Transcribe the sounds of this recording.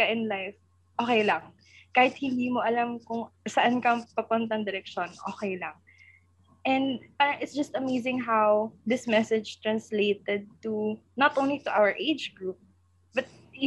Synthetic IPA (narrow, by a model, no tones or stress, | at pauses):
ɐʔɪnlajf | ʔoːkɛjlɐŋ | kaːhɪt̪̚hɪnd̪iːmoʔɐlamkʊŋsɐʔankɐŋpɐpʊnt̪ɐɐŋd̪ɪɾɛk̚ʃo̞nʔo̰ːkɛjlɐŋ | ʔɛ̃nd̪paːɾɐŋʔɪt̪sd͡ʒɐst̪ɐmejzɪ̃ŋɦawd̪ɪsmɛsɛd͡ʒt̪ɹɐnslejt̪ɛd̪̚t̪unɐt̪ʔõw̃nlit̪ʊʔawəɹʔejd͡ʒɡɹup̚ | bɐt̪̚ː